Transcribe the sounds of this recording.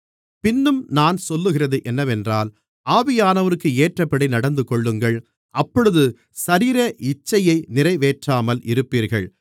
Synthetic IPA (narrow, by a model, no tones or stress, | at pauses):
pɪnːɯmnaːnsɔlːɯɣɪrɐðɯʔɛnːɐʋɛndraːl | ʔaːʋɪjaːnɐʋɐɾɯkːɯeːʈrɐpːɐɽɐɪnɐɽɐnd̪ɯkɔɭːɯŋɡɐɭ | ʔɐpːɔɻɯðɯ | sɐɾiːɾɐʔɪt͡ʃːɐjɐɪnɪrɐɪʋeːʈraːmɐlʔɪɾɯpːiːɾɣɐ̰ɭ